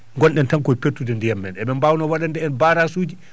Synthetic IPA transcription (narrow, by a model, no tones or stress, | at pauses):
ŋɡɔnɗɛntaŋkɔjpetːudɛndijamːɛnɛɓɛmbawnɔwaɗandɛɛnbaːɾasuːd͡ʒi